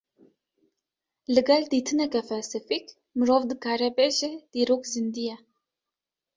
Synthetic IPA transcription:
lɨɡɛld̪iːt̪ʰɨnɛkɛfɛlsɨfik | mɨɾoːvd̪ɨkʰaːɾɛbeʒɛd̪̥iːɾoːkzɨnd̪ijɛ

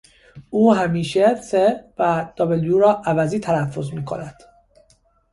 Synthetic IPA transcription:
ʔuːɦæmiːʃesevæd̪̥ɒbeljuɾɒːʔævæziːt̪ʰælæfːo̞zmiːkʰo̞̰næd̪̥

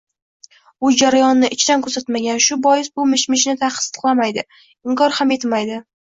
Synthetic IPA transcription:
ʊd͡ʒaɾajɒnːɪʔɪt͡ʃʰɪd̪ankʰɵɾsat̪maɡʲanʃʊbɒjɪs̬bʊmɪʃmɪʃnɪt̪ʰaqst̪ɨ̥qlˠamajd̪ɪ | ɪŋkʰɒɾhamje̞t̪ʰɪmajd̪ɪ

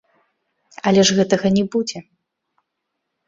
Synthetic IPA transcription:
ɐlʲɛʐɣɛt̪ɐɣɐnʲɛbud͡zʲɛ

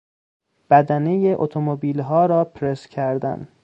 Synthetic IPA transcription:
b̥æd̪æne̞jeʔot̪ʰomobiːlɦɒːɾɒːpʰɾescʰæɾd̪æ̰n

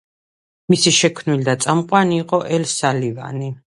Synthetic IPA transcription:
misiʃɛkʰmnilid̪at̪sʼamqʼwaniːqʼɔʔɛlsaliva̰ni

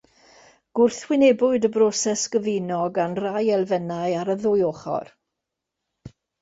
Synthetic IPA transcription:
ɡ̥ʊrθwɪnɛbʊɨdəbrɔsɛsɡ̥əvɪnɔɡanrajɛlˠvɛnajaɾəðʊjoːχɔ̰r

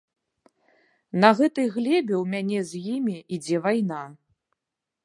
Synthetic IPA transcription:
nɐɣɛt̪ɨjɣlʲɛbʲɛwmʲanʲɛzʲjimʲiʔid͡zʲɛvajna

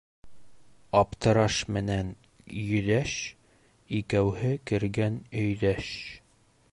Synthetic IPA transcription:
ɒpt̪ɤ̆ɾɑʃmɘ̆næn | jɵ̆ðæʃ | ikæwhɘkɘ̆ɾɡænɵ̆jðæʃ

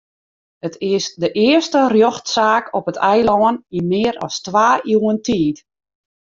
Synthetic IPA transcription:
ətʰɪsdəʔɪəstərjoxtsaːkʰɔpətɛjlɔəninmɪːəɾɔ̰stʋaːuːəntiːt

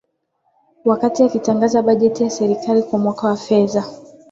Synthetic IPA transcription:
wakatiakitaŋɡazaɓaʄɛtijasɛɾikalikwamwakawafɛða

